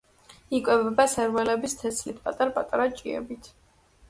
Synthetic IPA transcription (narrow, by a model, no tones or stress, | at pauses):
ikʼwɛbɛbasɛɾvɛlɛbist̪ʰɛslit̪ʰpʼat̪ʼaɾapʼat̪ʼaɾat͡ʃʼiɛ̰bit̪ʰ